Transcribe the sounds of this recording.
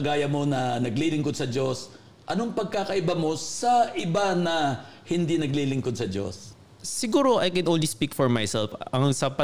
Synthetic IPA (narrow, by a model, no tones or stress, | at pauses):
ɐɡaːjɐmo̞nɐnɐɡlilɪŋkod̪̚sɐd͡ʒo̞s | ʔɐnoŋpɐɡ̚kaːkɐʔɪbamo̞sɐʔɪbanɐhɪnd̪inɐɡlilɪŋkod̪̚sɐd͡ʒo̰s | sɪɡuːɾo̞ʔɐjkɛ̃nʔonlispikfɔɹmajsɛlfɐŋsɐpɐ